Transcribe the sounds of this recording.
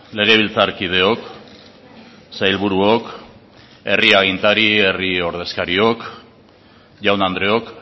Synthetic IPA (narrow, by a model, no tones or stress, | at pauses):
le̞ɣ̞e̞β̞ilt͡saɾkið̞e̞o̞k | sajlβuɾuok | e̞riaɣ̞int̪aɾie̞rio̞ɾð̞e̞skaɾio̞k | ʝawnand̪ɾe̞o̞k